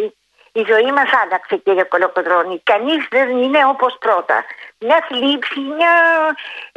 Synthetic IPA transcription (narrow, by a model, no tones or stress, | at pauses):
izo̞imɐsɐlɐkseceʝakolokoðɾonikɐnizðenineopospɾot̪ɐ̰mɲɐθlipsimɲa